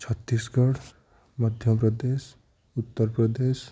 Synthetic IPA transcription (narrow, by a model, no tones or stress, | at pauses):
t͡ʃʰɔt̪ːisɡɔɽ | mɔd̪ʱjɔpɾɔd̪es | ut̪ːɔɾpɾɔd̪es